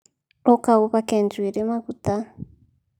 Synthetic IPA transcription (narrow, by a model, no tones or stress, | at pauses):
ɔkauβakɛnd͡zwiɾemaɡut̪a